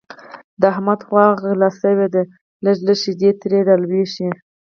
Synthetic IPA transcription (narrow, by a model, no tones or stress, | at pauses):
d̪əahmad̪xwɑɣlasəwed̪e | ləʒləʃid̪et̪ɾed̪alweʃi